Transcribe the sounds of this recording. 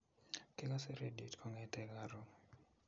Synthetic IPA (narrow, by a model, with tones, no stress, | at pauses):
ke˦ka˦se˦ɾe˦di˨tkʰɔ˦ŋɛ˦tɛ˦kaɾo˨